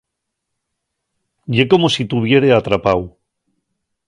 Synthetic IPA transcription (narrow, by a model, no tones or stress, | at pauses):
ɟ͡ʝe̞ko̞mo̞sit̪uβ̞je̞ɾe̞at̪ɾapaw